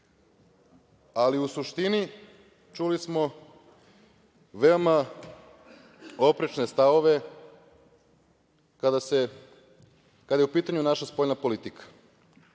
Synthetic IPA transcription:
aliusuʃt̪ini | t͡ʃulismo̞ | ʋe̞oma | o̞pɾit͡ʃne̞st̪aʋo̞ʋe̞ | kad̪ase | kad̪ajeupiːt̪aɲunaʃaspo̞ʎnapo̞lit̪ikʰḁ

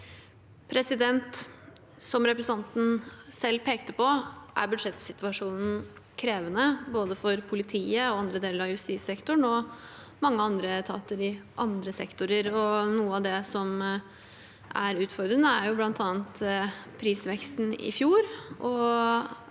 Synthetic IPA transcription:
pʰɾɛsɪd̪ɛnt̪ | sɔmɾɛpɾɛsɑnt̪n̩sɛlːpʰeːkt̪əpɔʔæ̰ɾbʉd̪ʂɛt̪sɪt̪ʋɑʂuːnn̩ | kʰɾeːʋənəboːd̪əfɔɾpʰʊlɪt̪ʰiːəɔɑnd̪ɾəd̪eːləɾɑjʉst̪iːsɛkt̪ʊɳɔ | mɑŋːəɑnd̪ɾət̪ʰɑ̰ːt̪əɾɪʔɑnd̪ɾəsɛ̰kt̪ʊɾəɾɔnuːəɑd̪ɛsɔm | ʔæɾʉːt̪fɔɾd̪ɾənəæɾjʊblɑnt̪ʰɑːənt̪pʰɾiːsʋɛkst̪n̩ɪ̰fjuːɾʔɔ

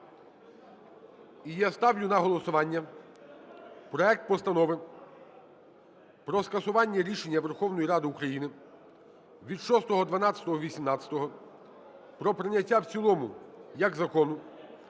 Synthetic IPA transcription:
ijɛst̪ɑwjʊnɐɦɔlˠɔsʊʋɑnʲːɐ | pɾɔɛk̚t̪̚pɔst̪ɐnɔʋɪ | pɾɔskɐsʊʋɑnʲːɐɾʲiʃenʲːɐʋerxɔwnɔjiɾɑd̪ɪukɾɐjinɪ | ʋʲid̪ʃɔst̪ɔɦɔd̪ʋɐnɑt͡sʲɐ̥t̪ɔɦɔʋʲisʲimnɑt̪t͡sʲɐ̥t̪ɔɦɔ | pɾɔpɾɪnʲɐtʲːawt͡sʲilˠɔmʊjɐɡzɐkɔnʊ

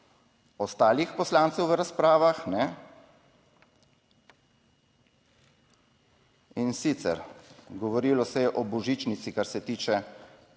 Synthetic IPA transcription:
ɔst̪aːlixpɔslaːnt̪sɛwʋəɾaspɾaːʋaxnɛ | insiːt̪sɛ̰ɾɡɔʋɔɾiːlɔsɛjɛʔɔbɔʒiːt͡ʃnit̪sikaɾsɛt̪iːt͡ʃɛ

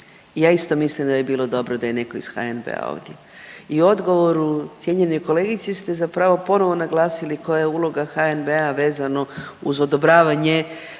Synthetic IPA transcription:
ijaːist̪o̞mislimd̪ajebiːlo̞d̪o̞bɾod̪ajene̞ko̞isxa̰enbḛa̰o̰ʋd̪je | ioo̞d̪ɡo̞ʋo̞ɾut̪je̞ɲe̞no̞jko̞le̞ɡit̪sist̪e̞zapɾaʋo̞po̞no̞ʋo̞naɡlˠaːsiliko̞jajeuːlˠo̞ɡaxaenbeaʋe̞ːzano̞ | uzo̞d̪o̞bɾaːʋaɲe

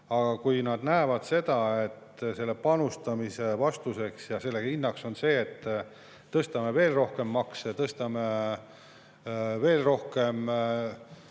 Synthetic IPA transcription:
ɑɡ̥ɑkujnɑd̪̥næevɑd̪̥se̞d̪̥ɑe̞t̪ːse̞lːepɑnust̪ɑmise̞vɑst̪use̞ksjɑse̞lːe̥hinːɑkso̞nse̞ːt̪ː | ɤst̪ɑme̞ve̞ːlro̞hke̞mːɑkset̪ɤst̪ɑme | ve̞ːlro̞hke̞m

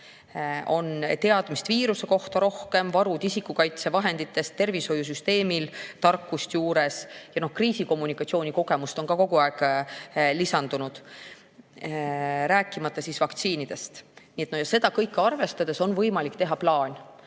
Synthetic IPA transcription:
o̞nt̪e̞ɑd̪̥mist̪viːɾuse̞ko̞ht̪ɑɾo̞hke̞mvɑɾud̪isikːˑukɑjt̪se̞vɑɦe̞nd̪̥it̪ːˑe̞st̪ːe̞rviso̞jːus̬yst̪e̞ːmilt̪ɑrkːˑust̪juːɾe̞sjɑno̞hkriːsiko̞mːunikːˑɑt̪sio̞ːnʲiko̞ɡ̥e̞must̪o̞nkɑko̞ɡ̥uɑeɡ̥ | lisɑnd̪̥unud̪̥ | ɾæːkːˑimɑt̪ːˑɑsisvɑkt̪siːnid̪̥e̞st̪niːet̪nojɑse̞d̪ɑkɤjkːɑrve̞st̪ɑd̪̥e̞so̞nvɤjmɑlikt̪e̞ɦɑplɑːnʲ

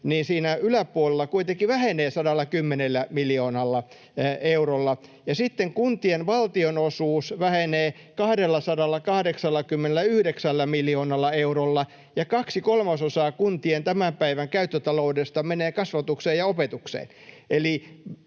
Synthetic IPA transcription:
niːnsiːnæylæpuolelːɑkuit̪ekiʋæheneːsɑdɑlːɑkymːenelːæmilioːnɑlːɑ | eurolːɑjɑsit̪ːeŋkunt̪ienʋɑlt̪ionosuːsʋæheneː | kɑhdelːɑsɑdɑlːɑkɑhdeksɑlːɑkymːenelːˑæyhdeksælːæmiljoːnɑlːɑeuɾolːɑ | jɑkɑksikolmɑsosɑːkunt̪ient̪æmæmpæiʋæŋkæyt̪ːøt̪ɑloudest̪ɑmeneːkɑsʋɑt̪ukseːjɑopet̪uksḛːneli

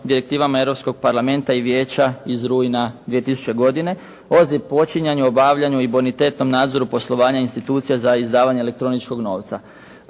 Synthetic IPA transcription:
d̪iɾe̞k̚t̪iːʋamae̞ɾo̞psko̞ɡ̚paɾlˠame̞nt̪aiʋje̞ːt͡ɕaizɾuːjinad̪ʋije̞t̪isu̥t͡ɕe̞ɡo̞d̪ine̞ | o̞zipo̞t͡ʃiɲaɲuo̞baʋʎaɲuibonit̪e̞t̪no̞mnaːd̪zo̞ɾupo̞slˠo̞ʋaːɲainst̪it̪uːt̪sijazaizd̪aːʋaɲele̞k̚t̪ɾo̞nit͡ʃko̞ɡno̞ːʋt̪sa

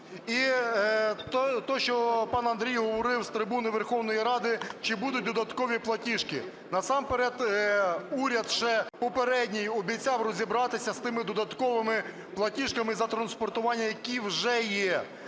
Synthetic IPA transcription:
i | t̪ɔʃt͡ʃɔpɑnɐnd̪ɾʲijɦɔʋɔɾɪwst̪ɾɪbunɪʋerxɔwnɔjiɾɑd̪ɪt͡ʃɪbud̪ʊt̚ʲd̪ɔd̪ɐt̪kɔʋʲiplˠɐtʲiʃkɪ̰ | nɐsɑmpeɾɛd̪ | uɾʲɐd̪ʒɛpɔpeɾɛdʲnʲijɔbʲijt͡sʲɑwrɔzʲibɾɑt̪ɪsʲɐst̪ɪmɪd̪ɔd̪ɐt̪kɔʋɪmɪ | plˠɐtʲiʃkɐmɪzɐt̪ɾɐnspɔrt̪ʊʋɑnʲːɐjɐkʲiwʒɛjɛ

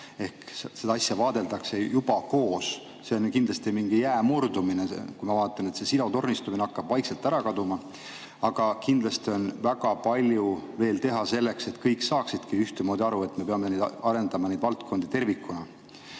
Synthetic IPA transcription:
e̞hksed̪ɑɑsjɑvɑːd̪e̞ld̪ɑkse̞jub̥ɑko̞ːs | se̞onkind̪lɑst̪imiŋɡ̥ijæːmurd̪uminekujmɑvɑːt̪ˑːɑnet̪se̞silo̞t̪o̞rnist̪umineɑkːɑb̥vɑjkselt̪ːˑæɾɑkɑd̪umɑ | ɑɡ̥ɑkind̪lɑst̪io̞nvæɡ̥ɑpɑlʲjuve̞ːlt̪e̞ɦɑse̞lːe̞kse̞t̪kɤjkːˑsɑːksid̪̥kiyht̪emo̞ːd̪iɑɾue̞t̪me̞peɑmenejd̪ɑɾe̞nd̪ɑmɑned̪vɑlt̪kʰo̞nd̪̥it̪e̞rvikːˑunɑ

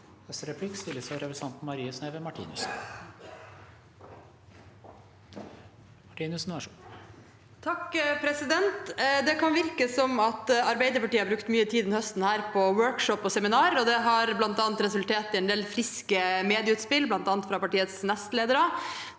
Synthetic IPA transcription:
ɛsɾɛpʰlɪkst̪ɪlːəsɔɾɛpɾɛsɑnt̪n̩mɑɾiːəsneːʋəmɑʈʰḭːnʉsn | mɑʈiːnʉsn̩æʂ | t̪ʰɑkpʰɾɛsɪd̪ɛnt̪d̪ɛkɑnʋɪɾkəsɔmɑt̪ɑɾbæɪd̪əɾpɑʈiːəhɑɾbɾʉkt̪myːət̪ʰiːd̪ɪnhœst̪n̩hæːɾpʰɔwœɹkʂɔpːɔsɛmɪnɑːɾɔd̪ɛɦɑɾblɑnt̪ɑːnt̪ɾɛsʉlt̪ʰeːt̪ɪɛnd̪eːlfɾɪskəmeːd̪ɪəʉːt̪spɪlblɑnt̪ɑːnt̪fɾɑpɑʈiːət̪snɛst̪leːd̪əɾə

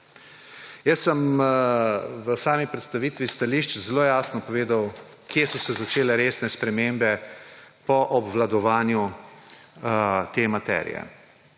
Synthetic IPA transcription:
jəsːəm | ʋəsaːmipɾɛt̪st̪aʋiːt̪ʋist̪aliʃt͡ʃzloːjaːsnɔpɔʋeːd̪awkjesɔsɛzat͡ʃeːlɛɾeːsnɛspɾɛmembɛpɔʔɔbʋlad̪ɔʋaːnju | t̪emat̪ɛ̰ːɾḭjɛ̰

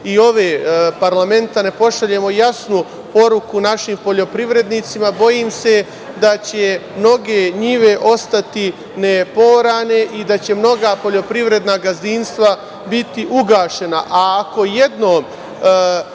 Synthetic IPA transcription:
io̞ʋeːpaɾlame̞nt̪ane̞po̞ʃaʎe̞mo̞jasnu | po̞ɾukunaʃimpo̞ʎo̞pɾiʋɾe̞d̪nit̪simabo̞jiːmse̞ | d̪at͡ɕe̞mno̞ɡeɲiʋe̞ʔo̞st̪at̪i | ne̞po̞ːɾaːne̞ʔid̪at͡ɕe̞mno̞ɡapo̞ʎo̞pɾiʋɾe̞d̪naɡazinst̪ʋa | bit̪iʔuɡaːʃe̞na̰ʔaːko̞je̞d̪noːm

